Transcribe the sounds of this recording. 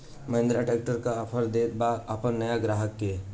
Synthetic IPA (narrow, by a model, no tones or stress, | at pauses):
mɐɪ̃nd̪ɾaʈɛːk̚ʈəɾkapʰəɾd̪ebaapʰənːɐjaɡɾaːɦəkːe